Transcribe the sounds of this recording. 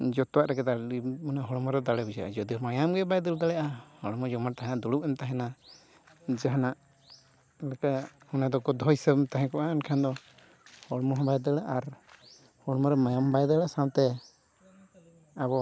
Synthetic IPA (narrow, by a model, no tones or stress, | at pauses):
d͡ʒɔt̪ɔwaʔɾaɡɛd̪aimunaɦɔɽmɔɾɛd̪alɛbud͡ʒaʔa̰d͡ʒɔd̪iɔmajamɡɛbajd̪əld̪aɽɛʔahɔɽmɔd͡ʒɔmaɾt̪aɦɛnad̪uɽupɛmt̪aɦɛna | d͡ʒaɦanaʔ | lakahɔnad̪ɔɡɔd̪ʱɔjsəmt̪aɦɛ̃kɔʔaːnkʰand̪ɔ | hɔɽmɔɦbajd̪əlaʔaɾ | hɔɽmɔɾɛmajambajd̪əlaʔsawt̪ɛ | abɔ